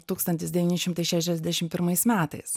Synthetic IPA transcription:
t̪uːkst̪ɐnʲt̪ʲɪsd̪ʲɛʋʲiːnʲɪʃʲɪmt̪ɐɪʃʲæʃʲɛzʲd̪ʲæʃʲɪmpʲɪɾmɐɪsmʲæːt̪ɐɪs

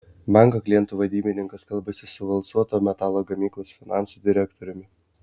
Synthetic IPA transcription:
mɛŋɡɐkʲlʲiɛnt̪uːʋɐd̪ʲiːmʲɪnʲɪŋkɐskɐlˠbɐsʲɪsʊʋɐlˠsuɔt̪oːmʲɛt̪ɑːlˠoːɡɐmʲiːklˠosfʲɪnɑˑnsuːd̪ʲɪɾʲækt̪ɔɾʲʊmʲɪ

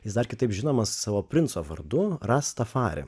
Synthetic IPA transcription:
jɪsd̪ɐrkʲɪt̪ɐɪpʒʲɪnoːmɐssɑːʋoːpʲɾʲɪnt̪soːʋɐ̰rd̪ʊrɑst̪ɐfɑːɾʲɪ̰

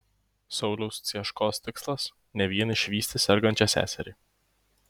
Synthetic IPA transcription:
sɒʊlʲɛʊst̪sʲiɛʃkoːst̪ʲɪkslˠɐs | nʲɛʋʲiɛnʲɪʃʲʋʲiːsʲt̪ʲɪsʲɛɾɡɐnʲt͡ʃʲɛsʲæ̰ːsʲɛɾʲiː

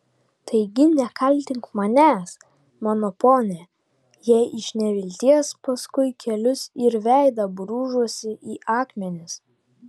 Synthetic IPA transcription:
t̪ɐɪɡʲɪnʲɛkɐlʲt̪ʲɪŋkmɐnʲæːs | mɑːnoːpoːnʲɛ | jɛːʔɪʃʲnʲɛʋʲɪlʲt̪ʲiɛspɐskʊɪkʲɛlʲʊsɪɾʋʲæˑɪd̪ɐbɾuːʒuɔsʲɪʔiːʔɑːkmʲɛnʲɪs

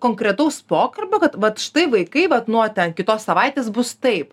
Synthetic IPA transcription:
koːŋkɾʲɛt̪ɐʊspoːkɐrbʲoːkɐt̪ʋɐt̪ʃɪ̥t̪ɐɪʋɐɪkɐɪʋɐt̪nuɔt̪ʲɛnkʲɪt̪oːssɐʋɐɪt̪ʲeːsbʊst̪ɐɪp

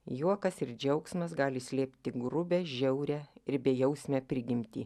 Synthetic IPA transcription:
juɔkɐsɪɾd͡ʒʲɛʊksmɐsɡɑːlʲɪsʲlʲeːpʲt̪ʲɪɡɾʊbʲɛːʒʲɛʊɾʲɛɪɾbʲɛjɛʊsʲmʲɛpʲɾʲɪɡʲɪmʲt̪ʲiː

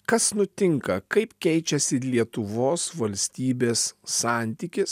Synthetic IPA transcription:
kɐsnʊt̪ʲɪŋkɐkɐɪpkʲɛɪt͡ʃʲɛsʲɪlʲiɛt̪ʊʋoːsʋɐlʲsʲt̪ʲiːbʲeːsːɑːˑnʲt̪ʲikʲɪs

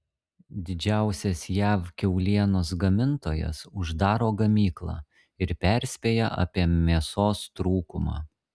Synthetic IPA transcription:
d̪ʲɪd͡ʒʲæˑʊsʲɛsjæːʋkʲɛʊlʲiɛnoːs̬ɡɐmʲɪnt̪oːjɛ̰sʊʒd̪ɑːɾoːɡɐmʲiːklˠɑ̰ː | ɪɾpʲæˑɾʲsʲpʲeːjɛʔɐ̰pʲiɛmʲiɛsoːst̪ɾuːkʊmɑ̰ː

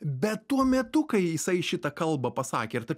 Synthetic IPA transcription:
bʲɛt̪t̪uɔmʲɛt̪ʊkɐɪjɪsɐɪʃʲɪt̪ɐkɐlˠbɐpɐsɑ̰ːkʲeːɪɾt̪ɐɪ

